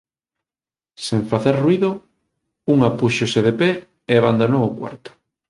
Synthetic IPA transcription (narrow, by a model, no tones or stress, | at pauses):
seɱfaθeɾruiðo | uŋapuʃoseðepe | eβand̪anookwa̰ɾt̪o̥